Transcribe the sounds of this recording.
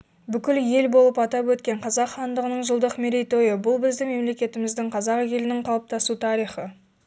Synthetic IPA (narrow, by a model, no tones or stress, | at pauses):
bʏkʲɪlje̞lbo̞lˠəpɑt̪ɑpwɵt̪kʲe̞ɴqʰɑzɑqχɑnd̪əʁənəɴʒəlˠd̪əqmeɾʲejt̪o̞jəbʊlˠbɪzd̪ɪme̞mle̞kʲe̞t̪ɪmɪzd̪ɪŋqʰɑzɑqekʲelɪnɪɴqʰɑlˠəp̚t̪ʰɑsut̪ʰɑɾijχə